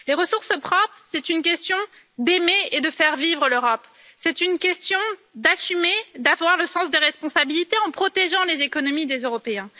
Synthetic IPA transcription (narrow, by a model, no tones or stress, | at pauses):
leʁəsuʁsəpχɔpχsɛt̪ynkʲɛst̪jɔ̃ | d̪emeed̪əfɛʁvivʁəløʁɔp | sɛt̪ynkʲɛst̪jɔ̃d̪asymed̪avwaʁləsɑ̃sd̪eʁɛspɔ̃sabilit̪eɑ̃pχɔt̪eʒɑ̃lezekɔnɔmid̪ezøʁɔpeɛ̃